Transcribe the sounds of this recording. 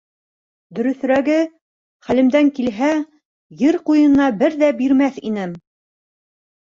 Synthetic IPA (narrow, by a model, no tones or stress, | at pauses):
d̪ɵ̆ɾɵ̆θ̆ɾæɡɘ | χælɘ̆md̪æŋkilɦæ | jɘɾqujɤ̆nɑbɘɾðæbiɾmæθḭnɘm